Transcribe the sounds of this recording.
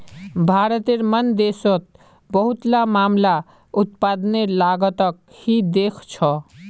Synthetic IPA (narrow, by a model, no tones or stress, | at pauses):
bʱaːɾət̪eɾmənd̪eːsot̪̚ | bəɦʊt̪lamaːmla | ʊt̪̚paːd̪nelaːɡət̪ək̚ | hid̪eːkʰt͡ʃʰɔ